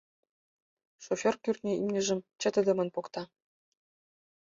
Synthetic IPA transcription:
ʃofʲorkʲyrʲt̪ʲnʲeʔimnʲɘ̆ʒɘ̆mʲt͡ɕɘ̆t̪ɘ̆d̪ʲɘ̆mɤ̆nʲpokt̪ɑ

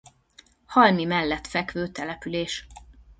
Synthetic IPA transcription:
hɒlmimɛlːɛt̪fɛkʋøːt̪ɛlɛpyleːʃ

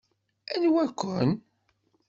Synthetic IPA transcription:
ænwækʷːʊn

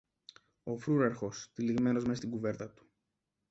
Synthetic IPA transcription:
o̞fɾuɾɐɾxo̞st̪iliɣme̞no̞zmest̪iɡuve̞ɾt̪ɐt̪u̥

